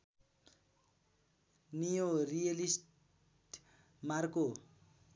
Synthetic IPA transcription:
nijorijalisʈ | marko

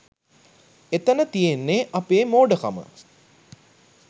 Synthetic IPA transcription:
et̪ənət̪ijenːeʔɐpeːmoːɖəkamə̰

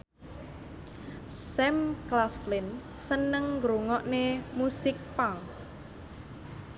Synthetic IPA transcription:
sɛmklaflɪn | sənəŋːɡɾuŋɔʔnemusɪk̚paŋ

